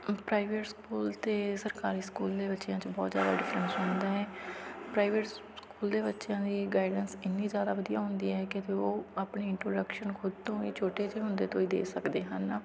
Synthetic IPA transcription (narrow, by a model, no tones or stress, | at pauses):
pɾaːɪʋeʈskuːlt̪eːsəɾkaːɾiːskuːld̪eːbətːʃjãːt͡ʃbɔːt̪zja̰ːd̪a̰ːɖɪfʰɾənsɦʊ̃nd̪aːɛːpɾaːɪʋeʈ | skuːld̪eːbətːʃjãːd̪iːɡaːɪɖənsɪnːiːzjaːd̪aːʋəd̪ijaːɦʊ̃nd̪iːɛːkɪt̪eoːaːpɳeːɪɳʈɾo̰ːɖəkʃənkʰʊd̪̚t̪õːḭːt͡ʃʰoːʈeːt͡ʃeːɦʊnd̪eːt̪õːiːd̪ḛːsəkd̪eːɦən